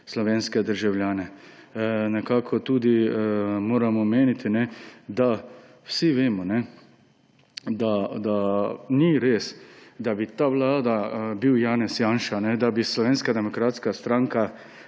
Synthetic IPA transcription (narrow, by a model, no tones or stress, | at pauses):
slɔʋeːnskɛd̪əɾʒawljaːnɛ | nɛkaːkʰɔt̪uːd̪imoːɾamɔmeːnit̪inɛd̪a | wsiʋeːmɔnɛ | d̪ad̪aniɾeːsd̪abit̪aːʋwlaːd̪abiwjaːnɛsjaːnʃanɛd̪abislɔʋeːnskad̪ɛmɔkɾaːt̪skast̪ɾaːŋka